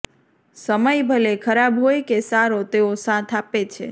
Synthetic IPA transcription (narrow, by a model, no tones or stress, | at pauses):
səməjbʱəlekʰəɾabɦojkesaɾot̪eosãt̪ʰapet͡ʃʰḛ